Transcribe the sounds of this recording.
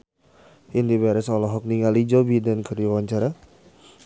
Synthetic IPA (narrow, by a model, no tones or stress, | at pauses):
ʔɪndibaɾɛsɔlɔɦɔk̚niŋalid͡ʒɔbidankəriawaɲt͡ʃaɾa